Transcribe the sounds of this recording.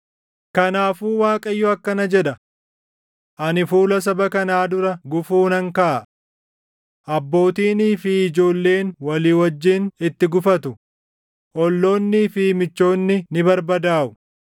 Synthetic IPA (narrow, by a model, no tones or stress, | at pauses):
kɐnaːfuːwaːkʼɐjːɔɐkːɐnɐd͡ʒɛᶑɐ | ʔɐnɪfuːlɐs̬ɐbɐkɐnaːd̪ʊɾɐɡʊfuːnɐŋkɐʔɐ | ʔɐbːo̞ːt̪iːniːfɪːd͡ʒo̞ːlːe̞ːnwɐliːwɐd͡ʒːɪnɪt̪ːɪɡʊfɐt̪ʊ | ʔɔlːo̞ːnːiːfɪmɪt͡ʃːo̞ːnːɪnɪbɐɾbɐd̪aːʔʊ̥